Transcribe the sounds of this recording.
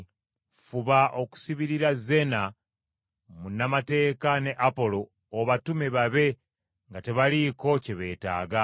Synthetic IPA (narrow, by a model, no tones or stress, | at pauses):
fuβaʔo̞ku̥siβiɾiɾaze̞na | munamate̞ːkane̞ʔapo̞lo̞ː | βatumeβaβe̞ | ŋɡate̞βaliko̞ceβe̞ːta̰ːɡa